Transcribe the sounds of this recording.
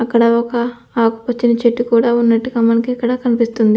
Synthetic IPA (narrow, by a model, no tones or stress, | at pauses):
ɐkːɐɽɐɔkɐ | aːku̥pɐt͡ʃːinɐt͡ʃeʈːikuːɽaːunːɐʈːiɡaːmɐnɐkiɐkːɐɽaːkɐnipist̪und̪i